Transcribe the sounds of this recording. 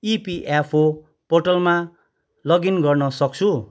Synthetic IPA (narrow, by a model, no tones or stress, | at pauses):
ipiʔepʰo | porʈʌlma | lʌɡinɡʌrnʌsʌk̚t͡sʰu